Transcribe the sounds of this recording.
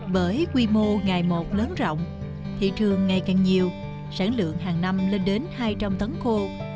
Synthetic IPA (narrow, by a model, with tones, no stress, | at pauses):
ɓəː˧˩jkwi˧mo˧ŋaː˨˩jmo˨˩t̚ləː˨˦nzɔ̰˧˨wŋ͡m | t̪ʰḭ˧˨t̪ʰɨ˨˩əŋːa˨˩jkaː˨˩ŋɲi˨˩əw | saː˧˩nlɨ̰˧˨əŋɦaː˨˩ŋna˧mle˧nɗe˨˦nhaː˧jt͡ɕa˧mt̪ə˨˦nxo˧